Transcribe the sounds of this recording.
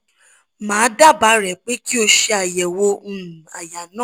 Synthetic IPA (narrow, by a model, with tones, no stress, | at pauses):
mãː˨˦da˦˨ba˨˦ɾɛ˨k͡pe˦ki˦o˧ʃe˧a˨jɛ˨wõ˧˦˨a˨ja˨nã˦˨